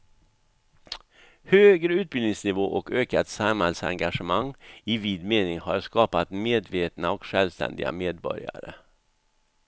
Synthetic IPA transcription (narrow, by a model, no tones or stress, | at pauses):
høːɡɾəʉːt̪̚bɪld̪ɪŋsnɪvoːʔɔkøːkat̪samhɛlsa̰ŋɡaʂəmaŋːɪviːd̪meːnɪŋhaɾʂkɑːpat̪meːd̪veːt̪naɔkʂɛlʋst̪ɛ̰nd̪ɪɡa̰meːd̪bɔ̰ɾja̰ɾə